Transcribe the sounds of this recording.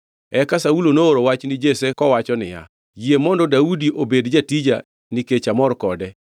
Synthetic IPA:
ɛkasaulonooɾowat͡ʃnɪd͡ʒesekɔwat͡ʃɔnɪ̰ja̰ | jiemɔndɔdaudiʔobedd͡ʒatid͡ʒa | nɪket͡ʃamɔɾkɔdɛ

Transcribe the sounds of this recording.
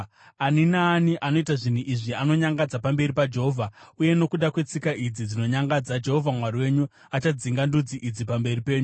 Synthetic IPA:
aninaːniʔano̞itaʐin̤uʔiʐiano̞ɲaŋɡad͡zapambe̞ɾipad͡ʒeɦo̞ːvʱauje̞no̞kuɗakwe̞t͡sikaʔid͡zid͡zino̞ɲaŋɡad͡zad͡ʒe̞ɦo̞vʱamwariwe̞ɲu | at͡ʃad͡ziŋɡandud͡ziʔid͡zipambe̞ripe̞ːɲu

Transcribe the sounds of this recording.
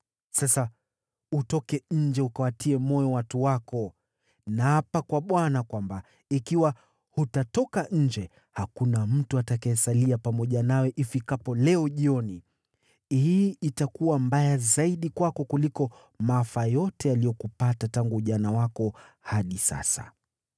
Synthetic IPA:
sasa | utɔkɛɲ̩d͡ʒɛukawatiɛmɔjɔwatuwakɔ | nahapakwaɓwanakwamba | ikiwa | hutatɔkaɲ̩d͡ʒɛ | hakunam̩tuatakajɛsaliapamɔʄanawɛʔifikapɔlɛɔʄiɔni | hiitakuwambajazaiɗikwakɔkulikɔ | maafajɔtɛalijɔkupatataŋɡuʄanawakɔhaɗisa̰sa̰

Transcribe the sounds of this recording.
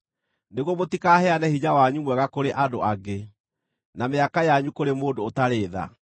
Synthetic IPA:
neɣɔmotikaɦɛanɛhiɲawaɲumwɛɣakoɾeʔadoʔaɡe | nameakajaɲukoɾemoːndoːtaɾeːða̰

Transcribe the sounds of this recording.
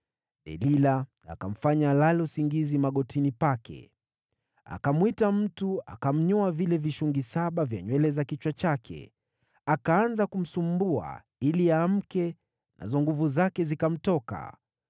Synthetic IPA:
ɗɛ̰lila | a̰kam̩faɲalalɛusiŋɡizimaɠɔtinipakʰɛ̰ | a̰kamwitam̩tua̰kam̩ɲɔavilɛviʃuŋɡisaɓavja̰ɲwɛlɛzakit͡ʃwat͡ʃakʰɛ̰ | akaanzakum̩sumbua̰ | iliaːm̩kɛ | nʔa̰zɔŋɡuvuzakɛzikam̩tɔka̰

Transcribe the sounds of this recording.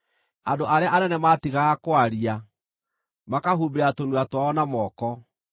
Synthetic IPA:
andoʔaɾeaʔanɛnɛmatiɣaːkwaɾia | makaɦubeɾatonuatwaɔnamɔkɔ

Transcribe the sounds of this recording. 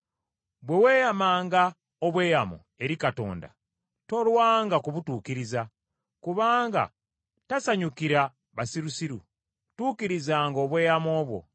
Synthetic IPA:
βwe̞we̞ːjamaːŋɡa | oβwe̞ːjamo̰ | e̞ɾikato̞̰ːnda̰ | to̞lwaːŋɡakuβutuːkiɾiza | kuβaːŋɡa̰ | tasaɲukiɾa | βasiɾusiɾṵ | tuːkiɾizaːŋɡo̞ːβwe̞ːjamo̞ːβwo̞̰

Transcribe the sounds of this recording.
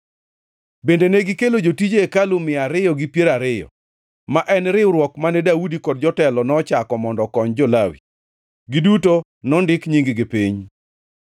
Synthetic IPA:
bendeneɡɪkelod͡ʒotid͡ʒeekalʊmɪaɾɪjɔɡipjeɾaɾɪjɔ̰ | maʔɛnɾɪwɾwɔkmanɛdaudikɔdd͡ʒɔtɛlɔnɔt͡ʃakɔmɔndɔkɔɲd͡ʒɔlawḭ | ɡiduto | nɔndɪkɲiŋɡɡɪpiɲ

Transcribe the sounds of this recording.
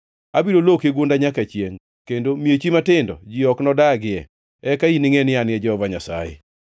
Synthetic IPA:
abiɾolokeɡondaɲakat͡ʃjeŋ | kendomiet͡ʃimatɪndɔ̰d͡ʒɪɔknɔdaɡɪɛ̰ | ɛkainɪŋenɪanɪjɛd͡ʒɔɔvaɲasa̰jḛ

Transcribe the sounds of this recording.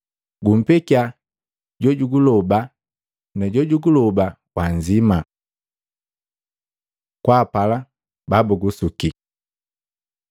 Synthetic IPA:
ɡum̩pɛkia | ɟɔɟuɡulɔba | nɛɟɔɟuɡulɔba | kwand͡ʒima | kwapala | babuɡusuki

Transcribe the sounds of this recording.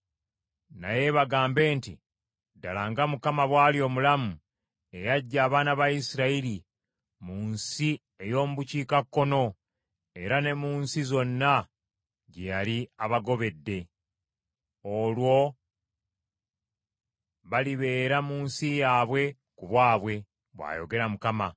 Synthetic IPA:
na̰je̞βaɡaːmbe̞ːnti | da̰laːŋɡamukamaβwaːlio̞ːmulamu | e̞jaɟːaːβaːnaβajisiɾaili | muːnsi | e̞jo̞ːmuβuciːkakːo̞no̞ | e̞ɾane̞muːnsizo̞nːa | ɟejaliaβaɡo̞βe̞dːe̞ | o̞lwo̞ | βaliβe̞ːɾamuːnsijaːβwe̞ | kuβwaːβwe̞ | βwa̰ːjo̞̰ɡe̞ɾamukama

